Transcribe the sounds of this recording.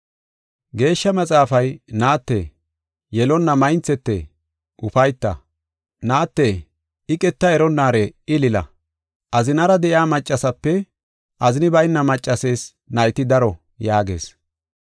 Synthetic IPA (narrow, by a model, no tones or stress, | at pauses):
ɡe̞ːʃːɐmɐt͡sʼaːfɐjnaːt̪ːḛː | jɛlɔnːɐmɐjɪnt͡sɛt̪ːḛ | ʔʊfɐjt̪ːɐ̰ | naːt̪ːeː | ɪkʼɛt̪ːɐɛɾɔnːaːɾɛɪlɪlɐ̰ | ʔɐzɪnɐɾɐd̪ɛʔjaːmɐt͡ʃʼːɐsɐpːɛ | ʔɐzɪnɪbɐjnːɐmɐt͡ʃʼːɐse̞ːs | nɐjt̪ɪd̪ɐɾɔ | jaːɡe̞̰ːs